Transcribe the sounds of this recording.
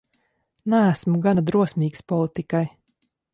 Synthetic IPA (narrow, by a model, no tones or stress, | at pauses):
nææsmuɡand̪ɾuɔsʲmʲiːkspɔlˠit̪ikaj